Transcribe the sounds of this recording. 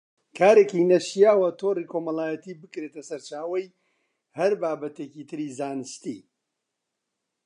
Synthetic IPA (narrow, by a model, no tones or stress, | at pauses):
kʰaːɾecinɐʃijaːwɐt̪ʰorikʰo̞mɐlaːjɐt̪iːbɨkɾet̪ɐsɐɾt͡ʃaːwɐj | hɐɾbaːbɐt̪ecit̪ʰɨɾizaːnɨst̪ḭ